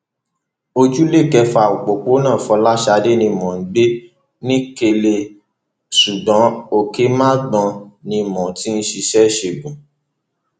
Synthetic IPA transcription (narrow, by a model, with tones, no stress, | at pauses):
o˧d͡ʒu˦le˦˨kɛ˧fa˨o˨k͡po˨k͡po˨˦nãː˦˨fɔ˧la˦ʃa˧de˦nĩ˧mɔ̃˨n̩˨˦ɡ͡be˦ | nĩ˦ke˧le˧ | su˨bɔ̃˨˦o˦˨ke˦mã˦ɡ͡bɔ̃˧nĩ˧mɔ̃˨ti˦n̩˦ʃi˧ʃɛ˦˨ʃe˧˨ɡũ˨